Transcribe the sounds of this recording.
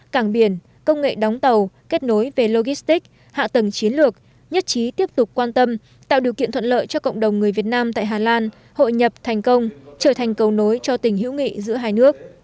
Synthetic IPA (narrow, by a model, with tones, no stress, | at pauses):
kaː˧˩ŋɓi˧˩ən | kə˧wŋ͡mŋḛ˧˨ɗɔ˨˦wŋ͡mt̪ə˨˩wke˦˥t̚no˨˦jve˨˩lo˧ɣi˦˥st̪i˦˥k̚ | ha̰ː˧˨t̪ə˨˩ŋt͡ɕi˨˦ənlɨ˨˩ək̚ | ɲə˦˥t̚t͡ɕi˨˦t̪i˦˥əp̚t̪ʊ˨˩k͡p̚kːwaː˧nt̪ə˧m | t̪a̰ː˧˨wɗi˨˩wkḭ˧˨ənt̪ʰə˧˨nlə̰ː˧˨jt͡ɕɔ˧kə̰˧˨wŋ͡mɗə˨˩wŋ͡mŋɨ˨˩əjvi˨˩ət̚naː˧mt̪a̰ː˧˨jɦaː˨˩laː˧n | ho̰˧˨jɲə˨˩p̚t̪ʰɛ˨˩jŋ̟kə˧wŋ͡mt͡ɕəː˧˩t̪ʰɛ˨˩jŋ̟kə˨˩wno˨˦jt͡ɕɔ˧t̪ï˨˩ŋ̟ɦḭ˧˥wŋḭ˧˨zɨ̰˧˥əɦaː˧jnɨ˦˥ək̚